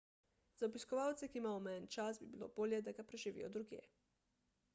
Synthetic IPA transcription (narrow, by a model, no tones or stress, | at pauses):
z̥aɔbiskɔʋawt̪sɛkiːmaːjɔmɛnt͡ʃasbibilo̰ːboːljɛd̪aɡapɾɛʒiʋḭjɔd̪ɾuɡjḛː